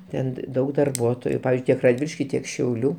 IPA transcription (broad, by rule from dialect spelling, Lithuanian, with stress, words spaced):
ˈtʲɛn ˈdɐʊk dɐrˈbuɔtoːjʊ ˈpɑːʋʲɪzʲd͡ʒʲʊɪ ˈtʲiɛk rɐdʲˈʋʲɪlʲɪʃʲkʲɪ ˈtʲiɛk ʃʲɛʊˈlʲuː